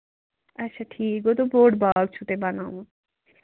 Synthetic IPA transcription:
ɐtːɕʰaʈʰikot̪̬oboɖbaɡ̚t͡ʃʰut̪ebanã

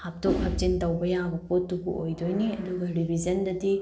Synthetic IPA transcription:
hap̚tokhɐp̚d͡ʒintɐwbɐjaŋbɐpotːubṵʔojdojniɐduɡɐɾibʱid͡ʒɐndɐdi

